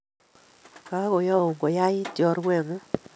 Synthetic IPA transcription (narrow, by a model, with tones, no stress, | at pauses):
ka˦ko˨ja˦o˨ŋɡo˨ja˦jɪ˦tjɔ˨ɾwɛ˨ŋo˦